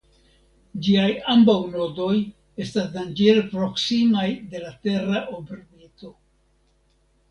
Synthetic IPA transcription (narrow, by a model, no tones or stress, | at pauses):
d͡ʒiajambawno̞do̞j | e̞stasdand͡ʒeɾpɾo̞ksimajde̞late̞ɾaʔobɾbito̞